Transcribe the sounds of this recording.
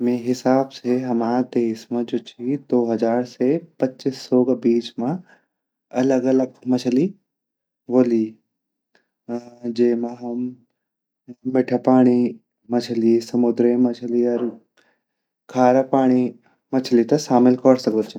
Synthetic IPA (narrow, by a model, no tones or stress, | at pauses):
mẽɦɪsaːbseɦɐmaːd̪eːʃmãd͡ʒoːt͡ʃʰid̪oːɦɐd͡ʒaːɾsepɐtːt͡ʃisːoːɡbiːt͡ʃmã | ɐləɡɐləɡmɐt͡ʃʰli | ʋoːli | d͡ʒeːmãɦɐm | mɪʈʰəpaːɽ̃i | mɐt͡ʃʰəlisɐmʊd̪ɾemɐt͡ʃʰəliɐɾ | kʰaːɾəpaːɽ̃i | mɐt͡ʃʰlit̪ɐʃaːmɪlkɔɽsɐkd̪ət̪t͡ʃʰ